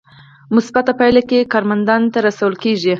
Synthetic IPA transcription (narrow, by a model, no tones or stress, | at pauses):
mʊsbat̪apajlakekɑɾmand̪ɑnt̪aɾasawəlkeʒi